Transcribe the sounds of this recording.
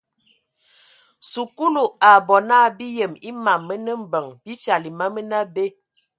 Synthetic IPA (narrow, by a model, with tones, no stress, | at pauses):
su˨ku˦lu˨a˨bɔ˨na˦bi˦jə˨mi˦ma˨mːə˦nə˦m̩˦bə˨ŋbi˦fja˨li˨ma˦mə˦na˦be˦